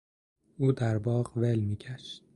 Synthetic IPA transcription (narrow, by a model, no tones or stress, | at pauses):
ʔuːd̪æɾbɒːʁvelmiːɟæʃt̪̚